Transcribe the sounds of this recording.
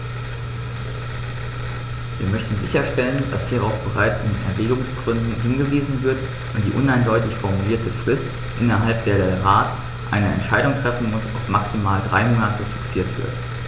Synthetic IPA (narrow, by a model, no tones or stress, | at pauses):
viːɐmœçtn̩zɪ̰çɐʃtɛlənd̥a̰shiːɐʁa̰ʊfb̥əʁaɪt͡sɪnnɛɐvɛːɡʊŋsɡ̥ʁʏndn̩ɦɪnɡəviːzn̩vɪɐt | ʔʊntd̥ḭːʔʊnaɪndɔʏtɪçfɔɐmuliːɐtʰəfʁ̥ɪst | ʔɪnɐɦalp̚d̥eːɐɾeːɐʁaːt | ʔa̰ɪnəɛ̰ntʃaɪɾʊŋtʁ̥ɛfn̩mʊsa̰ʊfmaksimaːldʁa̰ɪmoːnatʰəfɪ̥ksiːɐtv̥ɪ̰ɐt